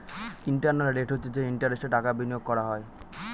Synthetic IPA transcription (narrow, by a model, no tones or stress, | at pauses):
iɳʈaɾnalɾeʈʰɦot͡ɕʰed͡ʑeiɳʈaɾesʈeʈakabinijoɡ̚kɔɾaɦɔe